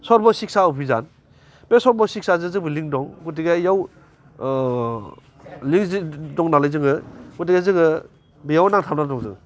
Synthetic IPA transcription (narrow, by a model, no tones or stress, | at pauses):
sɔɾbɔsik̚saupʰiza̰n | besɔɾbɔsik̚sazɯzɯbiliŋdɔŋɡutiɡajaw | liŋzdɔŋnalajzɯŋɯɡutiɡazɯŋɯ | bijawnaŋtʰamnadɔŋzɯ̰ŋ